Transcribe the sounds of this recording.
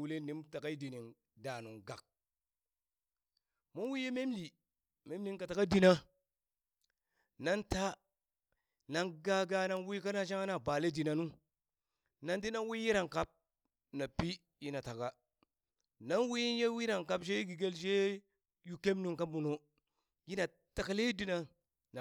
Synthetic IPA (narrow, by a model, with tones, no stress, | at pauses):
wu˨le˦ni˦mta˨ka˦i˦di˨ni˨ŋ | da˨nu˨ŋɡa˨k̚ | mo˦wi˦je˦me˦mli˨ | me˦mli˦ŋka˨ta˨ka˦di˨na˦ | na˦nta˦ | na˨nɡa˦ɡa˨na˦nwi˦ka˦na˦ʃ̬a˦ŋa˦na˨ba˨le˦di˨na˨nu˦ | na˨nti˦na˦nwi˦ji˦ɾa˨ŋka˦p̚ | na˨pi˦ | ji˦na˨ta˨ka˨ | na˦nwi˦ji˦nje˦wi˦ɾa˨ŋka˦pʃ̬e˦ɡi˨ɡe˦lʃ̬e˦ | ju˨ke˦mnu˦ŋka˦mu˨no˨ | ji˦na˨ | ta˨ka˨le˦di˦na˨ | na˨